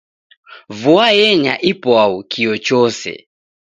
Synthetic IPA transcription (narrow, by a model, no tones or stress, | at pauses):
vuajɛɲaʔipɔaukʰiɔt͡ʃɔsɛ̰